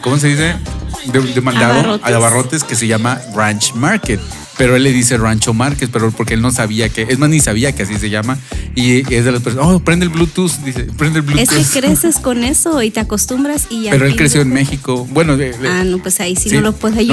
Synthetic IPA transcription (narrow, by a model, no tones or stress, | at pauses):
komos̬eðis̬e̞d̪ed̪emãnd̪aðooaðaβaro̞t̪e̞ske̞s̬e̞ʝamarant͡ʃmaɾket̪̚ | pe̞ɾo̞elːe̞ðise̞rant͡ʃomaɾkespe̞ɾopo̞ɾkeelno̞s̬aβiakeezmaznisaβ̞iakeasiseʝamaiezðelas̬peɾsopɾend̪elβlut̪usd̪isepɾe̞nd̪elβluesueskɾesesko̞ne̞soit̪eako̞st̪umbɾasiʝape̞ɾoelkɾesjo̞enme̞xiko̞bwe̞noeanopwesaisisolopweða